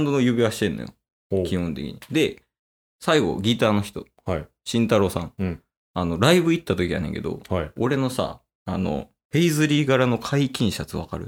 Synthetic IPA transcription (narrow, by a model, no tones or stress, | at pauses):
nd̪onojɯbʲiβaɕi̥t̪ẽ̞nːojo̰ | kʲihõ̞nt̪e̞kʲḭɲ̟id̪e̞ | saiɡo̞̰ɡʲit̪aːno̞çi̥t̪o̞ | hi | ɕĩnt̪aɾo̞sãŋ | ano̞ɾaibɯ̟it̪ːat̪o̞kʲija̰nẽ̞ŋke̞̰d̪o̞̰hioɾe̞no̞sa̰ | ano̞̰ | ɸe̞izɨɾʲiːɡaɾano̞kʰaikʲĩɰ̃ɕat͡sɨβa̰ka̰ɾɯ̟